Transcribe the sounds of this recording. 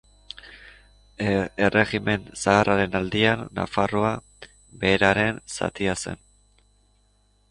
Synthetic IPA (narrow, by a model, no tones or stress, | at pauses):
ere̞ɣime̞nsaːrʔaɾe̞nald̪ianːa̰faroa | βe̞ːɾaɾe̞nsa̰t̪iase̞̰n